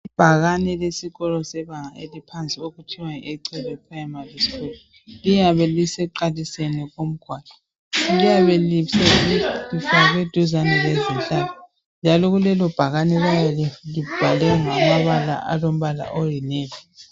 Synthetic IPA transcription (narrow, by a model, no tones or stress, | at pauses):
ib̥ʱaɣanɛlesiɣɔlɔsɛβaŋaḛlipʰant͡sʼioɣutʰiwaeǀɛβɛpʰrajamarisi̥kulɔ | lijaβɛlisɛǃalisɛnɛɣom̩ɡ̥ʱwaːlḁ | lijaβɛlisɛlifaaɣwed̥ʱuzanɛlezinɬʼaːlɔ | nd͡ʒʱalɔɣulɛlɔb̥ʱaɣanɛlajalib̥ʱalɛŋamaβala̰ʔa̰lom̩βala̰ʔɔjinɛːlɛ